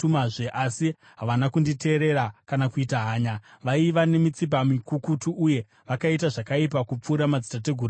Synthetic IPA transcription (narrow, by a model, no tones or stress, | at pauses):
umaʐeʔasi | ɦaʋanakundite̞ːɾe̞ɾakanakuitaɦaːɲaʋaiʋane̞mit͡sip̬amikukutuʔuje̞ | ʋakait̬aʐakaip̬akup͡fuːɾamad͡zitat̬e̞ɡʱuɾa